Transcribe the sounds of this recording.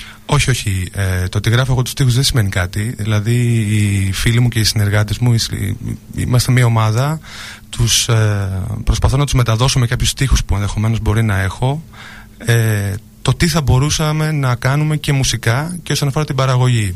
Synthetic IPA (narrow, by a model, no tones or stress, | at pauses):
o̞çio̞çiet̪oɐt̪iɣɾɐfoeɣo̞t̪u̥st̪ixuzðesime̞nikɐt̪iðilɐðiː | filimuce̞isine̞ɾɣɐt̪ezmuis | ḭmɐst̪emiɐo̞mɐðɐ | t̪us | pɾo̞spɐθo̞nɐt̪uzme̞t̪ɐðo̞somekɐpçust̪ixuspue̞nðe̞xo̞me̞no̞zbo̞ɾinɐe̞xo̞ | e | t̪o̞t̪iθɐbo̞ɾusɐme̞nɐkɐnume̞ce̞musikɐceosɐnɐfoɾɐt̪ibɐɾɐɣo̞ʝi